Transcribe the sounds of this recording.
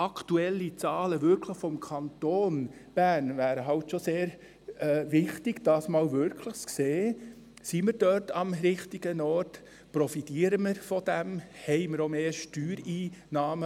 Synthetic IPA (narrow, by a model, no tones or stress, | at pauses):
ʔɑktuɛlːit͡sɑːləvʏɾkʰləχfɔmkʰɑntoːnb̥æɾnvæːɾəɦɑwtʃoseːɾ | ɛːvɪχtɪɡ̥d̥ɑːsmɑːwvʏɾkʰləχskseː | siməɾd̥œtɑmɾɪχtiɡ̥ənɔɾt | pɾɔfitiːəɾəməɾfɔd̥æmhɛɪməɾomeːʃtyːɾiːnɑːmə